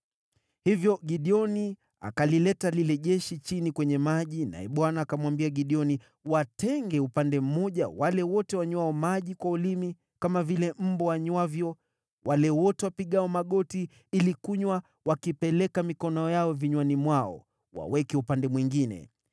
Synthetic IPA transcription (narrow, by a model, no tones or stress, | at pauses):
hivjɔɠiɗiɔni | a̰kalilɛtalilɛʄɛʃit͡ʃinikwɛɲɛmaʄina̰ɛ̰ɓwanaːkamwambiaɠiɗiɔni | watɛŋɡɛupandɛm̩mɔʄawalɛwɔtɛwaɲwaɔmaʄikwaulimi | kamavilɛm̩bɔwaɲwavjɔ | wʔalɛwɔtɛwapiɠaɔmaɠɔti | ilikuɲwa | wakipɛlɛkamikɔnɔjaɔviɲwanimwaɔ̰ | wa̰wɛkɛupandɛmwiŋɡinɛ̰